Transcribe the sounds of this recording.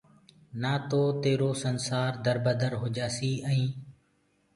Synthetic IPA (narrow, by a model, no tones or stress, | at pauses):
naːt̪oːt̪eːɾoːsənsaːɾd̪əɾbəd̪əɾɦoːd͡ʒaːsiːə̃ĩː